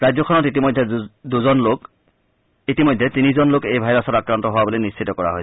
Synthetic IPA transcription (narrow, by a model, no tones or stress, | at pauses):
ɹajd͡ʑzɔkʰɔnɔtitimɔjdʱɛduzɔnlok | itimɔjdʱːɛtinizɔnlokejbʱajɹasɔtakɹantɔɦʊwabolinissʰitɔkɔɹa̰ɦoj